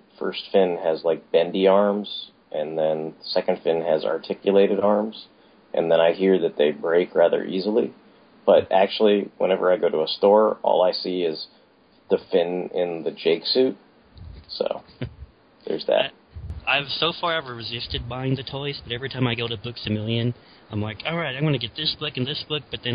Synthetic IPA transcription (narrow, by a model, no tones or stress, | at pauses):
fɜ̰˞stfɪ̃nɨzlaɪk̚b̥ɛ̃ndiɑɹmz̥ | ʔɨ̃nðɨ̃nsɛkɨ̃n̩d̥fɪ̃nɨzɑ̰˞tʰɪkjɨleɪɾɨɾɑɹmz̥ | ʔɨ̰̃nðɨ̃ɾ̃aɪɦiɹðɨt̪̚ðeɪbɹeɪkʰɹæðə̰˞ʔizl̩ˠḭ | b̥ʌɾæk̚t͡ʃul̩ˠiwə̰̃ñɛvə̰˞aɪɡoʊɾəəstɔɹʔɔ̰lˠaɪsiɪz | ðɨfɪ̃nɪ̃nðɨd͡ʒeɪksʉt̚ | so̰ʊ | ðə̰˞zðɨ̰t̚ʔaɪv̥soʊfɑɹaɪvəɹɨzɪstɨd̚baɪɪ̃ŋðɨtʰɔɪsb̥ʌɾɛvɹitʰãɪ̃maɪɡoʊɾɨbʊksɨmɪlˠjɨ̃n | ãɪ̃mlaɪkʰolˠɹaɪtãɪmwɡʌ̃nɨɡɛt̪̚ðɪsb̥ʊkɨ̃n̩ðɪsb̥ʊk̚b̥ʌt̪̚ðɨ̃n